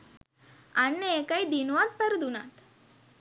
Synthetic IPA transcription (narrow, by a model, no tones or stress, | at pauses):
anːeekajd̪inuʋat̪̚pəɾd̪unat̪